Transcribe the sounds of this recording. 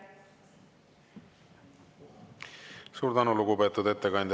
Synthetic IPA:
suːɾd̪ɑnuluɡupet̪ːud̪e̞t̪ːekɑjnd̪

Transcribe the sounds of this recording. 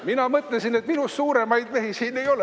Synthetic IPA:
minɑmɤt̪ˑlesine̞t̪minussuːɾe̞mɑjd̪̥mehisiːnːe̞jo̞le

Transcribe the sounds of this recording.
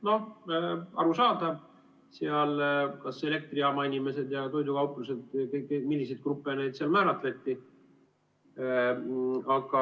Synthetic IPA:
no̞ | ɑ̰ɾusɑːd̪ɑ | seɑlkɑse̞le̞k̚t̪riɑmɑinʲime̞se̞d̪jɑt̪o̞jd̪ukɑwpˑluse̞d̪kekemilːised̪̥̚krupːˑene̞jd̪seɑlmæːɾɑt̪le̞t̪ʲːi | ɑɡ̥ɑ

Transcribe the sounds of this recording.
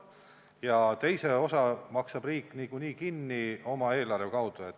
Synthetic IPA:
jɑt̪e̞jse̞o̞sɑmɑksɑb̥riːkːˑniːkuniːkinːio̞mɑe̞ːlɑrvekɑwd̪̥ue̞t̪ː

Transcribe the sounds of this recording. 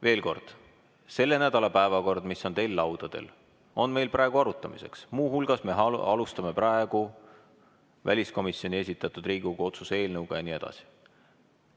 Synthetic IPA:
ve̞ːlko̞̰rd̪̥ | se̞lːe̞næd̪ɑlɑpæevɑko̞rd̪̥miso̞nt̪e̞jlːɑwd̪̥ɑd̪̥e̞̰l | o̞nme̞jlprɑeɡ̥uɑɾut̪ˑːɑmise̞̰ksmuːɦulɡ̥ɑsme̞ɑɑlust̪ɑme̞pɾʔæeɡ̥u | væ̰lʲisko̞misjo̞nʲies̬ʲit̪ːˑɑt̪ːˑud̪̥riːɡ̥uɡ̥ɑo̞t̪susee̞ːlnɤwɡ̥ɑjɑnie̞d̪̥ɑ̰si̥

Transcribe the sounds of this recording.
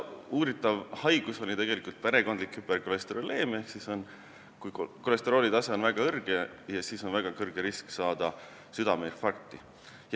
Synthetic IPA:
uːɾit̪ːˑɑvhɑjɡ̥uso̞lʲit̪e̞ɡ̥e̞likˑult̪̚pe̞ɾe̞ko̞nd̪likːyberkole̞st̪eɾole̞ːme̞hksiso̞n | kujkole̞st̪eɾo̞ːlid̪ɑse̞o̞nvæɡ̥ɑɤrɡ̥e | jɑsiːso̞nvæɡ̥ɑkɤrɡ̥eɾisksɑːd̪̥ɑ | syd̪ɑmerfɑrkt̪ˑi | j

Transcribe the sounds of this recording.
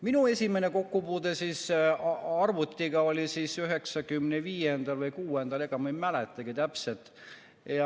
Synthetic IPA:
minue̞sʲime̞neko̞kːupuːd̪̥e̞sis | ɑrvut̪ˑːiɡ̥ɑo̞lʲisisyɦe̞ksɑɡymneviːje̞nd̪̥ɑlvɯjkuːend̪̥ɑle̞ɡ̥ɑmejmæle̞t̪ːˑɑɡ̥it̪æpse̞t̪ | jɑ

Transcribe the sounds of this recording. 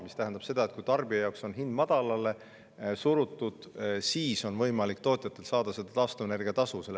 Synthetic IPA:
mist̪æɦænd̪ɑb̥se̞d̪ɑet̪̚kujt̪ɑrb̥ijɑjɑwkso̞nɦind̪mɑd̪̥ɑlɑle̞ | suɾut̪ːˑud̪̥siːso̞nvɤ̞jmɑlikt̪o̞ːt̪ʲˑjɑt̪ːˑe̞lsɑːd̪ɑse̞d̪̥ɑt̪ɑst̪une̞rɡ̥iɑt̪ɑsuse̞lː

